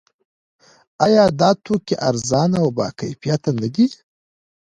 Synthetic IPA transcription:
ajɑd̪ɑt̪ʰokiʔaɾzɑnawbɑ̰ːkajfijat̪anəɡi

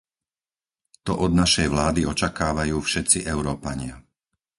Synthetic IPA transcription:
t̪ɔʔɔd̪naʃɛjʋlaːd̪iɔt͡ʃakaːʋajuːfʃɛt̪t͡siʔɛʊɾɔːpaɲɪa

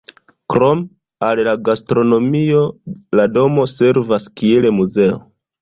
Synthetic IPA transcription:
kɾo̞m | allaɡastɾo̞no̞mio̞lado̞mo̞se̞ɾvaskielemuze̞o̰

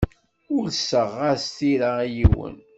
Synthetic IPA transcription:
ʊlsːəʁːaɾst̪iɾaijiwə̰n

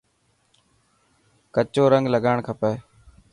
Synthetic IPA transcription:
kət͡ʃoːɾəŋɡləɠaːɳkʰəpeː

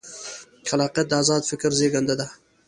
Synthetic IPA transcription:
kʲʰalaqəd̪azɑt̪fɪkʲɪɾzeɡʲand̪ad̪a

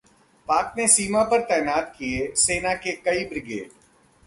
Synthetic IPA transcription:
paːknesiːmapɐɾt̪ɛːnaːt̪kieseːnakekɐibɾɪɡḛːɖ

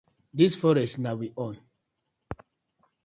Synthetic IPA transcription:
disfɔɹɛstnawiʔɔ̃n

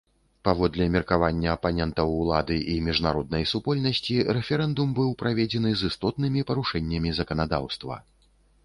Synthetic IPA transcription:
pavɔd̪lʲɛmʲirkavanʲːɐːpanʲɛnt̪ɐwːlˠa̰d̪ɨʔimʲiʐnaɾɔd̪̚nɐjsupɔlʲnɐsʲt͡sʲiɾɛfʲɛɾɛnd̪umbɨwpɾavʲed͡zʲɛnɨzɨst̪ɔt̪nɨmʲipɐɾuʂɛnʲːɐmʲizɐkɐnad̪a̰wst̪vɐ̰

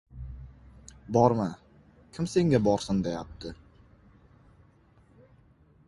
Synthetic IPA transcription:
bɒɾma | kʲʰɪmse̞ŋɡʲabɒɾsɪnd̪e̞jap̚t̪ʰɪ

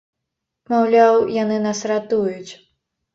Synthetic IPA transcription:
mawlʲawjanɨnasɾat̪ujut͡sʲ

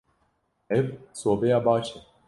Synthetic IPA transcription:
ɛvsoːbɛjaːbaːʃɛ

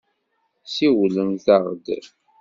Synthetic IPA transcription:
siwləmθɑʁd̪

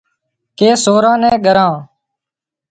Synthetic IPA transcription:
keːsoːɾãːnɛ̃ːɡəɾãː

